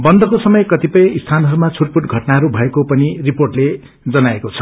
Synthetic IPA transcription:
bʌnd̪ʌkosʌmʌjkʌt̪ipʌjist̪ʰanɦʌɾumat͡sʰuʈpuʈɡʱʌʈnaɦʌɾubʱʌekopʌniriporʈle | d͡zʌnaekot͡sʰʌ̥

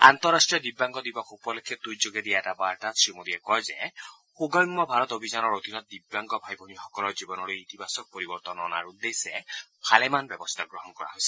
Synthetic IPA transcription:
a̰nt̪ɔɾasʈɾiɔd̪ibaŋɡɔd̪ibɔkʰupɔlekʰːed̪ujd͡ʒoɡed̪iaetabaɾʈasimod̪iekɔze | huɡɔjŋmɔbʱaɾɔt̪obʱid͡ʒanɔɾot̪inɔt̪̚d̪ibːaŋɡɔbʱajbʱɔnixɔkɔlɔɾd͡ʒibɔnɔɾuit̪ibʱasɔk̚pɔɾibɔɾt̪ɔnɔna̰ɾud̪esepʰalemanbɔbɔst̪ʰaɡɾɔɦɔnkɔɾa̰ɦojsʰi̥

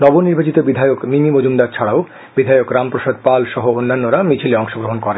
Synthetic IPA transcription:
nɔboniɾbat͡ɕit̪obid̪ʱajokmimimod͡ʑumd̪aɾt͡ɕʰaɽao | bid̪ʱajokɾampɾoʃad̪̚palʃɔɦoonːanːoɾamit͡ɕʰileɔŋʃoɡɾoɦonkɔɾen

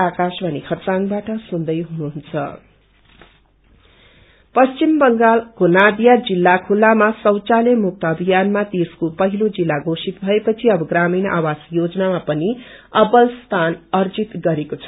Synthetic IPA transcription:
akasbʱʌnikʰʌt͡sanbaʈʌsund̪ʌjɦunuɦunt͡sʰʌ̰ | pʌst͡ʃimbʌŋɡalkonad̪jad͡zilːakʰulːamasʌwt͡salemuk̚t̪ʌʌbʱijanmat̪eskopʌɦilod͡zilːaɡosit̪bʱʌepʌt͡sʰiʌbʌɡraminʔa̰wasjod͡zʌnamapʌniʌbʌlst̪ʰanʌrd͡zit̪ɡʌɾekot͡sʰʌ̥

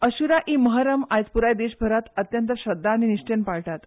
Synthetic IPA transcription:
əɕuɾaʔiməɦaɾəmajt͡spuɾajd̪eɕbʱəɾat̪ət̪jənt̪əɕəd̪ʱːaːniniɕt͡ɕenpaɭʈ̪at̪

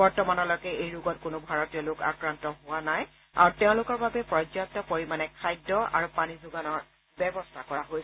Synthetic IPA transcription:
bɔɹtɔmanɔlɔkɛejɹuɡɔt̚kʊnʊbʱaɹotijɔloka̰kɹantɔɦʊwanaj | a̰ɹuteʊ̃lʊkɔɹbabɛpɹɔd͡ʒjak̚tɔpoɹimanɛkʰajdːɔa̰ɹupanizʊɡanɔɹ | bɛbɔstʰakɔɹaɦojsɛ

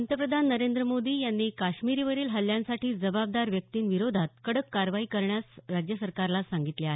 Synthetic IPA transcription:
nt̪əpɾəd̪ʱanːəɾend̪ɾəmod̪iːjanːiːkaɕmiɾiːʋəɾiːlɦəljãnsaʈiːd͡zəbab̚d̪aɾʋjək̚t̪iːnʋiɾod̪ʱat̪̚kəɽəkːaɾʋaiːkəɾɳjasɾad͡ʑjəsəɾkaɾlasaŋɡit̪leaɦe

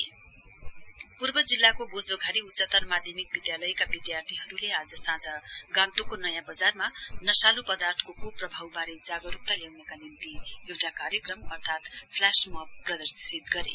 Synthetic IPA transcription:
purbʌd͡zilːakobod͡zoɡʱaɾiut͡sʌt̪ʌrmad̪ʱjʌmik̚bid̪jalʌjkabid̪jart̪ʰiɦʌɾulead͡zʌsãd͡zʌɡãnt̪okonʌjãbʌd͡zarmanʌsalupʌd̪art̪ʰkokʰub̚prʌbʱawbaɾed͡zaɡʌɾup̚t̪aljawnʌkanint̪iewʈakaɾjʌkrʌmʌrt̪ʰat̪pʰlasmʌbpːrʌd̪ʌrsit̪̚ɡʌɾḛ

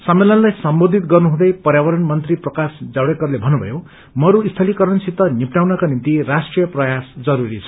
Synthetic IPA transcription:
sʌmːelʌnlajsʌmbod̪ʱit̪ɡʌrnuɦũd̪ʌjpʌɾjawʌɾʌnmʌnt̪riprʌkasd͡zawɽekʌrlebʱʌnːubʱʌ̰jo | mʌɾuist̪ʰʌlikʌɾʌnsit̪ːʌnipnawnʌkanint̪iɾasʈrijʌprʌjasd͡zʌɾuɾit͡sʰʌ̥

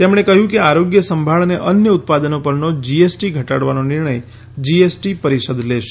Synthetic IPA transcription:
t̪emɽ̃ekəɦjũkeaɾoɡjəsəmbʱaɭəneʔənjəʊt̪̚pad̪ənopəɾnod͡ʒiesʈiɡʱəʈaɽʋanonɪɾɳəj | d͡ʒiesʈipəɾisəd̪leʃe̥

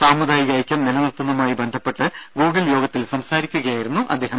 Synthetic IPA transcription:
saːmːud̪ʱaːjiɣaːjikʲːɐmninɐnɐrt̪ːɐnːɐmaːjibɐnd̪ʱɐpːe̞ʈːɨɡoːɡiljo̞ːɡɐt̪ːilsɐmsaːɾikʲːuɣɐjaːjiɾunːuʔɐ̰d̪ːe̞ːɦɐm

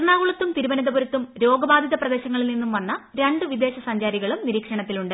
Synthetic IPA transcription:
ɳaːɣuɭɐt̪ːumt̪iɾubɐnɐd̪ɐbuɾɐt̪ːumɾo̞ːɡɐbaːd̪ʱiðɐprɐd̪e̞ːɕɐŋːɐɭilninːumʋɐnːɐɾeɳɖɨʋid̪e̞ːɕɐsɐɲd͡ʑaːɾiɣɐɭumniɾiːkʂɐɳɐt̪ːiluɳɖɨ

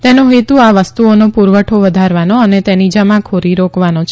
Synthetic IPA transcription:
t̪enoɦet̪uaʋəst̪uonopuɾʋəʈʰoʋəd̪ʱaɾʋanoənet̪enid͡ʒəmãkʰoɾiɾokʰʋanot͡ʃʰ

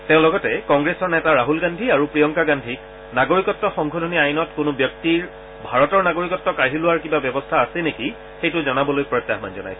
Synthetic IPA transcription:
teʊ̃lɔɡɔtɛkɔŋɡɹesɔɹnɛtaɹaɦulɡandʱiaɹupɹijɔŋkaɡandʱik | naɡoɹikɔtːɔxɔŋkʰodʱoniajnɔtkʊnʊbjɔk̚tiɹ | bʱaɹɔtɔɹnaɡoɹikɔtːɔkaɦilʊwaɹkibabjɔbɔstʰaːsɛneki | xejtʊzɔnabɔlojpɹɔjtːaxma̰nzɔna̰js

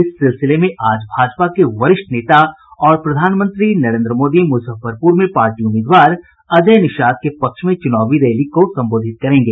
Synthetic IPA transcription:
ɪsːɪlsɪlemẽʔaːd͡ʒbʱaːd͡ʒpakeʋɐɾɪʃʈneːt̪a | ɔːɾpɾɐd̪ʱaːnmə̃nt̪ɾinɐɾẽːnd̪ɾəmoːd̪imʊsəfəɾpuːɾmẽpaːɾʈiʊmɪːd̪ʋaːɾ | ɐd͡ʒəjnɪʃaːd̪̚kepɐkʃmẽt͡ʃʊnaːʋiɾeːlikosɐ̃mboːd̪ʱɪt̪̚kɐɾẽːŋɡeː

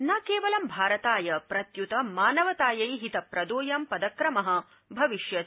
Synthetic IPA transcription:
naːkeːʋɐlɐmbʱaːɾɐt̪aːjɐpɾɐt̪jut̪ɐmaːnɐʋɐt̪aːjɐjiɦit̪ɐpɾɐd̪oːjɐmpɐd̪ɐkɾɐmɐɦɐ̆ | bʱɐʋiʃjɐ

